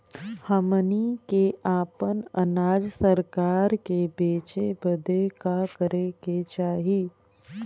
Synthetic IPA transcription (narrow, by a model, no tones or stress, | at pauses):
həmənikeʔaːpənənaːd͡ʒsəɾkaːɾkebeːt͡ʃebəd̪ekakəɾeket͡ʃaːɦiː